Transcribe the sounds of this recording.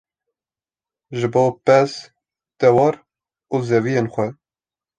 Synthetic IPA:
ʒɨboːpɛz | d̪̥ɛwɑːɾ | uzɛvijenxʷɛ

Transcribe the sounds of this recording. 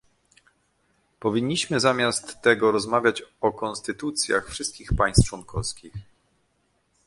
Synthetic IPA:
pɔvʲiɲːiɕmɘzamʲjast̪ːɛɡɔɾɔzmavʲjat͡ɕɔkɔnst̪ɘt̪ut̪sʲja̰xfʂɘst̪̚kʲixpaj̃st̪t͡ʂwɔnkʰɔfskʲix

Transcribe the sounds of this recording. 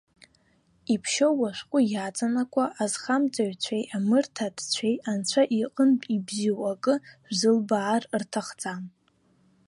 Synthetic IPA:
ipʰʃowaʃʷqʷʼʊjat͡sʼanakʷʰʼaʔazχamt͡sʼaɥt͡ɕʷʰejʔamɨrtʰadʰt͡ɕʷʰejant͡ɕʷʰaʔiqʼənpʼibziwakʼɨʒzɨlbaːrrtʰaχd͡zʼam

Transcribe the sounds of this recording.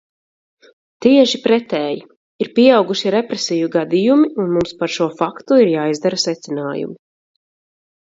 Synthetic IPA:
t̪iɛʒipɾɛt̪ɛːji | iɾpiɛawɡuʃiɾɛpɾesijuɡad̪ijumiunmumspaɾʃuɔfakt̪uiɾjaːizd̪aɾasɛt̪sinaːjṵmi

